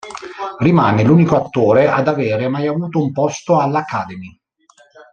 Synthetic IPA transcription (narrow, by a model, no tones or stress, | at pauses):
rimaːneluːnikoat̪ːoːɾeʔad̪aveːɾemajavuːt̪oumpɔst̪oalːakːaːd̪emi